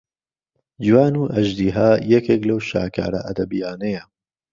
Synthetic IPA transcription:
d͡ʒiwaːnuːʔɐʒd̪iːɦaːjɛkeːklɐwʃa̰ːkʰa̰ːɾɐ̰ʔɐd̪ɐbijaːnejɐ

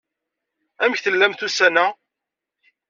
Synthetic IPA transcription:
æməçθəlːæmθusænæ

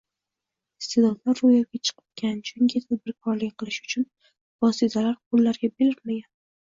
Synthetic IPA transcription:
st̪ed̪ɒt̪laɾːojaɡʲat͡ʃʰɨ̥qʰɨ̥p̚kʲʰant͡ʃʰʊŋkʰʲɪt̪ʰad̪̚bɪɾkʰɒɾlɪkʲqʰɨlˠɪʃʊ̥t͡ʃʰʊn | vɒsit̪ʰalaɾqʰolːaɾɡʲabelɪɾmaɡʲan

